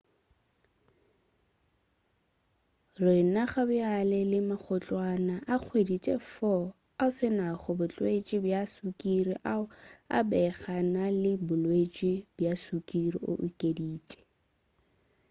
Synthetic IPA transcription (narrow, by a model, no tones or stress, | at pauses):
rɪnaχabʊalɛlɪmak͡xʰɔt͡ɬʼwanaʔak͡xʰwedit͡ʃʼɛfɔ | asɪnaχɔbʊt͡ɬʼwet͡ʃʼibjasukʼiriʔaʊa̰bɛɣanalɪbʊlwet͡ʃʼibjasukʼirḭʔo̰ʔukʼediːt͡ʃʼɛ̥